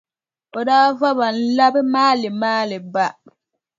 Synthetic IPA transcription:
ɔ˨daː˦fa˦ba˨n̩˦la˦bɪ˦maː˦lɪ˨maː˦lɪ˨ba˦

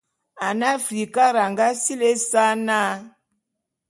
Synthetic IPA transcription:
a˨na˦fɾi˨ka˦ɾa˨ŋɡa˦si˦le˦sa˦na˦

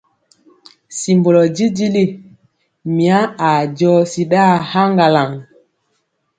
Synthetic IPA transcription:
si˨mbo˨lɔ˨d͡ʒi˦d͡ʒi˦li˦ | mi˨a˦a˨d͡ʒɔ˦si˨ɗa˦˨ha˦ŋɡa˨la˨ŋ

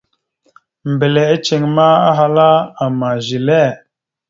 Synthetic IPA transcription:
m˨be˨le˨e˦t͡ʃe˨ŋma˦a˦ɦa˦la˦a˨ma˨ʒi˨lɛ˦˨

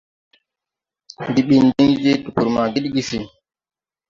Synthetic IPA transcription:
ndi˨ɓi˨ndi˦ŋi˦d͡ʒe˦tu˨ku˨ɾma˨ɡi˦ɗi˦ɡi˦si˨

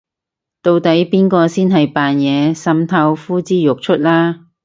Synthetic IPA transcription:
t̪o˧wt̪ɐ˨˥jpiː˥nkɔː˧siː˥nɦɐ˨jpaː˨njɛː˨˧sɐ˨˥mt̪ʰɐ˧wfuː˥t͡siː˥jʊ˨k̚t͡ʃʰɵ˥t̚laː˥

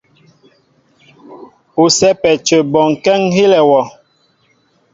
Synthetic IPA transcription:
u˨sɛ˦pɛ˨t͡ʃə˨bɔ˨ŋ˨kɛ˦ŋhe˦lɛ˨wɔ˨

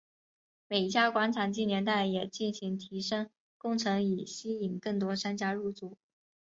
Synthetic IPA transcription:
me˨˩ɪ˥˩t͡ɕja˥kwa˧˥nʈ͡ʂʰa˨˩nt͡ɕi˥˩njɛ˧˥nt̪a˥˩ɪjɛ˨˩t͡ɕi˥˩nɕi˧˥ŋt̪ʰi˧˥ʂɤ˥ŋ | kʊ˥˩ŋʈ͡ʂʰɤ˧˥ŋi˨˩ɕi˥i˨˩nkɤ˥˩ŋt̪̬wɔ˥ʂa˥nt͡ɕja˥ɻu˥˧t͡su˥˩˦

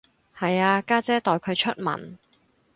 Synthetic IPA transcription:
hɐ˨jaː˧kaː˥t͡sɛː˥t̪ɔː˨jkʰɵ˨˧ɥt͡ʃʰɵ˥t̚mɐ̰˨˩n

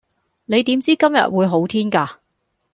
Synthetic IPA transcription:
ne˨˧jt̪i˨˥mt͡siː˥kɐ˥mjɐ̰˨t̚wuː˨˧jɦo˨˥wt̪ʰiː˥nkaː˧

